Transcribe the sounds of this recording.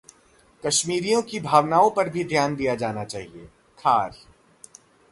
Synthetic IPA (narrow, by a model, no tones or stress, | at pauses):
kɐʃmiːɾijõkibʱaːʋnaːõpɐɾbʱid̪ʱjaːnd̪ijad͡ʒaːnat͡ʃaːɦieː | kʰaːɾ